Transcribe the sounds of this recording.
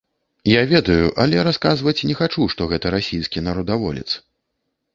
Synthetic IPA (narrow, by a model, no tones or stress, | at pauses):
javʲɛd̪ɐjuʔɐlʲɛɾaskazvɐt͡sʲnʲɛxat͡ʂuʂt̪ɔɣɛt̪ɐɾasʲijskʲinaɾɔd̪avɔ̰lʲɛ̰t̪s